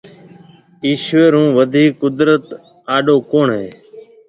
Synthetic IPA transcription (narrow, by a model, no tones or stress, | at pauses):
iːʃʋeːɾũːʋəd̪ʱiːkːʊd̪ɾət̪ | aːɗoːkoːɳɦeː